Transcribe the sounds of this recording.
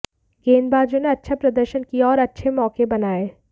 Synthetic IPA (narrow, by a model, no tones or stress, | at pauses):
ɡeːnbaːd͡ʒõneɐtːʃʰapɾɐd̪əɾʃənkijaɔːɾɐtːʃʰemɔːkebɐnaːeː